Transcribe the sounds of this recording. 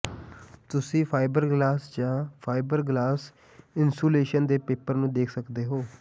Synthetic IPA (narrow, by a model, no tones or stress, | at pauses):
t̪ʊsĩːpʰaːɪbəɾɡlaːsd͡ʒãːpʰaːɪbəɾɡlaːs | ɪnsuːleːʃənd̪eːpeːpəɾnũːd̪eːkʰsəkd̪eːɦoː